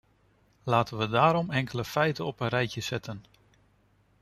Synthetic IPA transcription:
laːtənʋədaːɾɔmɛŋkələfɛjtəɔpənrɛjcjəsɛtʰən

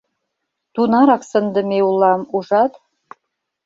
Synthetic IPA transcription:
t̪unɑɾɑksə̆nd̪ə̆meulˠːɑmuʒɑt̪

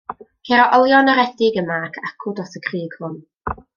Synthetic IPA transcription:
kʰeɾɔʔɔlˠjɔnəɾɛdɪɡəmakʰakʰʊdɔsəkʰriːɡ̥hʊn

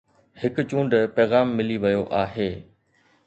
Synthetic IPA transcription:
hɪkt͡ɕũːɳɖpɛːɣaːmːɪliʋɐjoʔaːɦeː

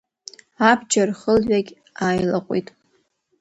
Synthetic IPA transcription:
abd͡ʒarχəlɥaɡʲ | aːjlaqʷʼḭtʼ

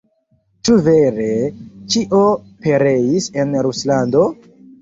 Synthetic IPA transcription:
t͡ʃuve̞ɾe̞t͡ʃiʔo̞pe̞ɾe̞jise̞nɾuslando̞

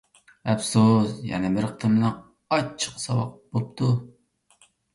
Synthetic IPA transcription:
ɛpsusjɛ̰nɪmɪɾəqt̪ʰɨɾbɪnɛŋ | ɑt͡ʃʰːə̥qsɑwɑq̚bop̚t̪ʰu

